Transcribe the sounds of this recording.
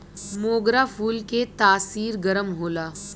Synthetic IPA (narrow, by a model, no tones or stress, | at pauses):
moːɡɾafʰuːlket̪aːsiːɾɡɐɾəmɦoːlaː